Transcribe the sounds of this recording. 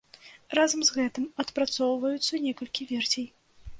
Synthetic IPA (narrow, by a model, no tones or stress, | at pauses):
razɐmzɣɛt̪ɨmɐt̪pɾat̪sɔwvɐjut̪sːɐnʲɛkɐlʲkʲivʲɛrsʲej